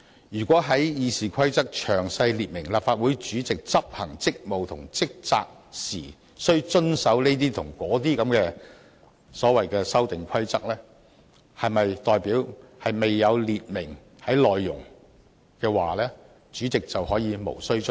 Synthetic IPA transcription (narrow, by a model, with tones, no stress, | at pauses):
jyː˨˩kʷɔː˨˥ɦɐ˨˥jjiː˨˧siː˨˩kʰɐ˥jt͡sɐ˥k̚t͡ʃʰœː˨˩ŋsɐ˧jliː˨˩t̚mɪ˨˩ŋlaː˨pfaː˧t̚wu˨˥jt͡ʃyː˨˥t͡sɪ˨k̚t͡sɐ˥p̚hɐ˨˩ŋt͡sɪ˥k̚mo˨wt̪ʰʊ˨˩ŋt͡sɪ˥k̚t͡sa̰ː˧k̚ | siː˨˩ | sɵ˥ɥt͡ʃɵ˥nsɐ˨˥wneː˥t̪̬iː˥t̪ʰʊ˨˩ŋkɔː˨˥t̪iː˥kɐ˨˥mkɛː˧ | sɔː˨˥wɐ˨jkɛː˧sɐ˥wt̪ɪ˨ŋkʷʰɐ˥jt͡sɐ˥k̚lɛː˥ | hɐ˨jmɐ˨jt̪ɔː˨jpiː˨˥whɐ˨jme˨jːɐ˨˧wliː˨t̚mɪ˨˩ŋ | hɐ˨˥jlɔː˨jːʊ̰˨˩ŋ | kɛː˧waː˨˩lɛː˥ | t͡ʃyː˨˥t͡sɪ˨k̚t͡sɐ˨whɔː˨˥jiː˨˧mo̰˨˩wsɵ˥ɥ